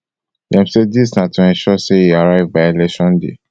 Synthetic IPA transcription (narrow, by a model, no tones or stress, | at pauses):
ɛ̃msedisnãtũɛ̃ʃɔseiaɾaɪvbaɪelɛkʃɔ̃ndḛ